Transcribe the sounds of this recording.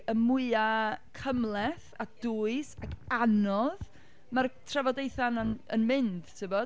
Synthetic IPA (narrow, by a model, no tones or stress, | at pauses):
əmʊɨakʰəmlˠɛθad̥uːɨsaɡanɔð | martʰrɛvɔdejθananənmɪnd̥tʰɨvɔ